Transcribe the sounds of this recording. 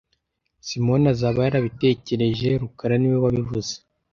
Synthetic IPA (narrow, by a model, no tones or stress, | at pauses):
simo̞nazaβajaɾaβite̞ːce̞ɾe̞ʒe̞ɾukaɾaniwewaβivuze